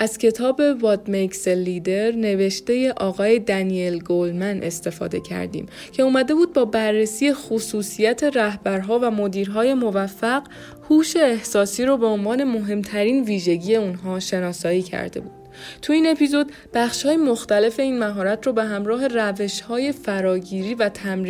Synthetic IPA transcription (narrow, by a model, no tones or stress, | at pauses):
ʔæz̥cʰe̞t̪ʰɒːbe̞vɒːd̪mekselid̪e̞ɾne̞ve̞ʃt̪e̞je̞ʔɒːɣɒːje̞d̪ænielɡolmæne̞st̪e̞fɒ̰ːd̪e̞̰cʰæ̰ɾd̪ḭːm | cʰe̞uːmæd̪e̞buːd̪̚bɒːbærːesiːjexosuːsijæt̪ʰe̞ɾæhbæɾɦɒːvæmod̪iːɾɦɒːje̞mo̞væfːæɢ | huːʃe̞ːhsɒːsiːɾobe̞onvɒːne̞mo̞ɦe̞mt̪ʰæɾiːnviːʒe̞ɟije̞unɦɒːʃe̞nɒːsɒːiːcʰæ̰ɾd̪e̞̰buːd̪̥t̪ʰuiːne̞pʰizo̞d̪ | b̥æχʃhɒːjemoxt̪æle̞fe̞iːnmæɦɒːɾæt̪ʰrobe̞ɦæmɾɒːɦe̞ræve̞ʃhɒːje̞fæɾɒːɟiːɾiːvæt̪ʰæmɾ